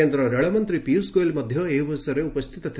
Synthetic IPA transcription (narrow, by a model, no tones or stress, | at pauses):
end̪ɾɐɾɐɭɐmɐnt̪ɾipiuwsɡoːjlmɐd̪ʱjɐeːʋɐsɐɾeupɐst̪ʰit̪ɐt̪ʰ